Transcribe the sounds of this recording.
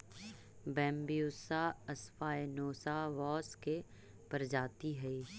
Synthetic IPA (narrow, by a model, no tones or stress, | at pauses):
bɛ̃ːmbijuːsaɐsfaːenoːsaʋɔːske | pɐɾd͡ʒaːt̪iɦɛi